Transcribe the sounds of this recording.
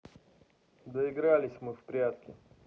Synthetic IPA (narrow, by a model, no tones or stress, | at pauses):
d̪əɪɡɾalʲɪsʲmɨfpɾʲat̪kʲɪ